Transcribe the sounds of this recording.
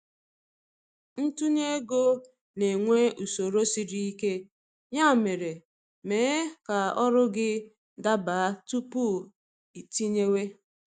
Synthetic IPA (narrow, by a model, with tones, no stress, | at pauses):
n̩˦tu˦ɲe˦ɡo˦ | ne˨ŋʷe˦ʔu˨so˨ɾo˦si˨ɾi˦i˦ke˦ | ɲa˦˨me˨ɾe˨ | meː˨˦ka˨ɔ˦ɾʊ˦ɡɪ˦ | da˦ba˨a˦tu˦pu˦ | i˨ti˦ɲe˦we˦